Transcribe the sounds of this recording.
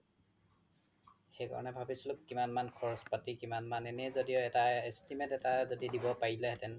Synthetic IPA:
xejkɔ̰ɹɔ̰nɛbʱabisilʊkːimanmanxʰɔɹɔspatikimanmanɛnɛzodijoɛtaestimetɛtazodidibɔpaɹilɛtɛnl

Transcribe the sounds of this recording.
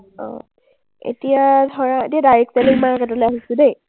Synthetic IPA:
ɔ̰̃ | ḛtijadʱɔɹaetijadaɹɛk̚talikmaakɛtɔlojaɦisʊ̃dej

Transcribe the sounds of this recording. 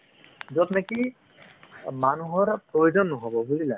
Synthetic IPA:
zɔtneki | manuɦɔɹpɹojozɔnːɔɦɔbɔbulila

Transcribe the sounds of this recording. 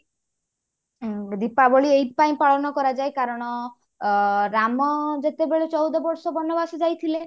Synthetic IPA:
d̪ipabɔɭiejt̪paĩpaɭɔnɔkɔɾad͡ʒajkaɾɔɽ̃ɔ | ɾamɔd͡ʒet̪ebeɭet͡ʃɔwd̪ɔbɔɾsɔbɔnɔbasɔd͡ʒajt̪ʰile

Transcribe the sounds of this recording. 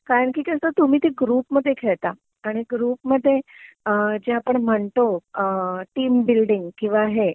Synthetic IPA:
kaɾəɳkiːkəst̪at̪um̤iːt̪eɡɾuːpməd̪ʱːjekʰeɭt̪a | aɽ̃iɡɾuːpməd̪ʱːje | d͡ʑeapəɳm̤əɳt̪o | ʈiːmbilɖiŋɡkĩw̃ʋaɦe

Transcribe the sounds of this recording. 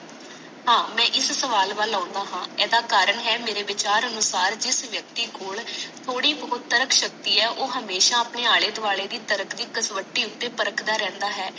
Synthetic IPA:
ɦãːmɛ̃ːʔɪssəʋaːlʋaːlːaːnd̪aːɦãːɛːd̪aːkaːɾəɳɦɛːmeːɾeːʋɪt͡ʃaːɾənʊsaːɾd͡ʒɪsʋjək̚t̪iːkoːɭt̪ʰoːɽiːbəʊd̪̚t̪ːəɾəkʰʃək̚t̪iːɛːʔoːɦəmeːʃaːəpneːaːɭeːd̪ʊaːɭeːd̪iːt̪əɾəkʰd̪iːkəsʋəʈːiːʊt̪ːeːpəɾəkʰd̪aːɾɛ̃ːnd̪aːɦɛː

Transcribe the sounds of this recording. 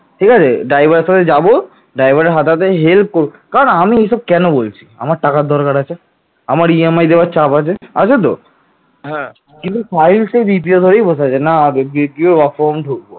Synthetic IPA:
ʈʰikat͡ɕʰeɖajbaɾeʃat̪ʰed͡ʑabo | ɖajbʱaɾeɾɦat̪at̪̬eɦelp̚koɾukaɾonamieʃɔb̚kɛnobolt͡ɕʰi̥a̰maɾʈakad̪ʱɔɾkaɾat͡ɕʰe | amaɾiemajd̪ebat͡ɕapat͡ɕʰeat͡ɕʰet̪̬o | ɦɛ̃ | kint̪ufajlsebipiod̪ʱoɾejbosat͡ɕʰenaebipioɾbafɔmɖʱuk̚bo

